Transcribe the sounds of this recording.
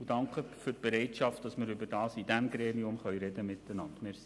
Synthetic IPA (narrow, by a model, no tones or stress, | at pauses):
ud̥ɑŋkχəfʏrt̚b̥eɾɛɪtʃɑft̚d̥ɑsmɪɾʏbədɑːsidæmɡɾɛniʊmχœʏɾɛdəmɪt̪ːənɑntmɪɾs